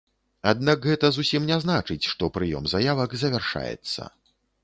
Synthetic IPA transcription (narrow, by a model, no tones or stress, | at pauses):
ad̪nakɣɛt̪ɐzusʲimnʲɛznat͡ʂɨt͡sʲʂt̪ɔpɾɨjɔ̰mzajavɐkzɐvʲɛrʂa̰jɛ̰t̪sːɐ̰